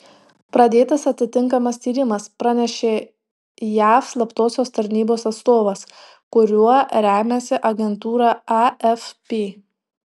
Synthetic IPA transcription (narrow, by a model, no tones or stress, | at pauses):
pɾɐd̪ʲeːt̪ɐsɐt̪ʲɪt̪ʲɪŋˑkɐmɐst̪ʲiːɾʲɪmɐspɾɑnʲɛʃʲeː | jæːfslˠɐpt̪oːsʲoːst̪ɐɾʲnʲiːboːsɐt̪st̪oːʋɐs | kʊɾʲuɔɾʲæːmʲesʲɪʔɐɡʲɛnt̪uːɾɑːɑɛfpʲeː